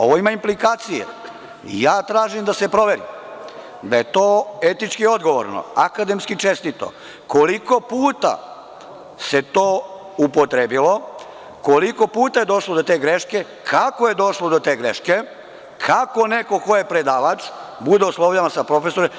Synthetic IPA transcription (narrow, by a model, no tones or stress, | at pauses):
o̞̰ʋoimaimplikaːt̪sijḛ | ḭjaːt̪ɾaːʒimd̪ase̞pɾo̞ʋe̞ɾḭm | d̪aje̞t̪oːet̪it͡ʃkio̞d̪ɡoʋo̰ɾno̰akad̪emskit͡ʃest̪it̪o̞̰ | koliko̞puːt̪a̰ | se̞t̪oː | upot̪ɾebilo̞ | koliko̞puːt̪aje̞d̪o̞ʃlod̪ot̪e̞ːɡɾeʃke̞ | kʰakoje̞d̪o̞ʃlod̪ot̪eːɡɾeʃke | kʰako̞neko̞ko̞jepɾe̞d̪aːʋat͡ʃbud̪eoslˠo̞ʋʎaʋasapɾo̞fesoɾe